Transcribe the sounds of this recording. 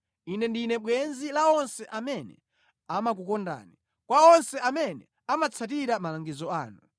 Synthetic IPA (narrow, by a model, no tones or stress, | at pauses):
inɛndinɛɓwɛnzilaɔnsɛʔamɛnɛ̰ | amak̬ukɔnda̰ːni | kwaɔnsɛamɛnɛ̰ | amat͡sʰatiɾamalaŋɡizɔaːnu